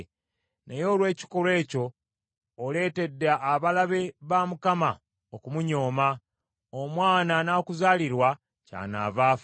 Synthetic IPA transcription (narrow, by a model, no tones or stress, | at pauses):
nʔejo̞ːlwe̞ːci̥ko̞lwe̞ːco̞ː | le̞ːte̞dːaʔːβalaβe̞βaːmukama | okumuɲo̞ːma | omwaːnanakuzaːliɾwa | ca̰ːna̰ːvaːf